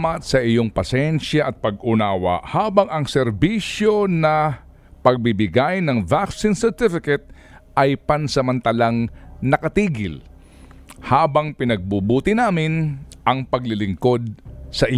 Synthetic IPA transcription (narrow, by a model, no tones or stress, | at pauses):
mɐt̪̚sɐʔɪjo̞ŋpɐsɛnʃjɐʔɐt̪̚pɐɡʊnaːwa̰ʔhaːbɐŋɐŋsɛɾbiʃjo̞nɐ | pɐɡ̚bɪbɪɡajnɐŋvaksɪnsɛɹt̪ɪfɪkɛt̪̚ | ʔɐjpɐnsɐmɐnt̪ɐlaŋnɐkɐt̪iːɡɪ̰l | haːbɐŋpɪnɐɡ̚bubuːt̪ɪnaːmɪnʔɐŋpɐɡlɪlɪŋko̞d̪̚sɐʔɪ